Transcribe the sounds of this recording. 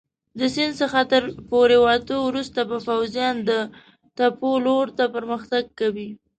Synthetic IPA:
d̪əsɪnd̪səxat̪əɾpoɾewɑt̪əwɾust̪abəpawzijɑnd̪ə | t̪apoloɾt̪apəɾməxt̪aɡ̚kawi

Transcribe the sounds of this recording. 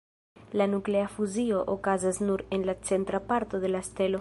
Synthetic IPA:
lanukleafuzioʔokazaznuɾenlat͡sent̪ɾapaɾt̪oðe̞laest̪elo

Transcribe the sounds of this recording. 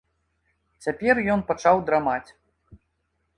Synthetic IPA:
t͡sʲapʲɛrjɔnpat͡ʂawd̪ɾamat͡sʲ

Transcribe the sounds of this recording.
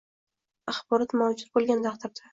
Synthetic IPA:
ɑχbɒɾɒt̪mawd͡ʒʊɾ̚bolˠɡʲant̪ʰɑqd̪ɪɾd̪a

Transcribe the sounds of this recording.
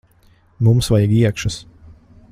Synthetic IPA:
mumsvajiɡiɛkʃɐs

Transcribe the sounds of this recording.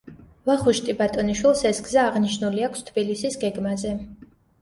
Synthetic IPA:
vaχuʃt̪ʼibat̪ʼɔniʃwilˠsɛsɡzaːʁniʃnuliakʰst̪ʰbilisisɡɛɡmazɛ

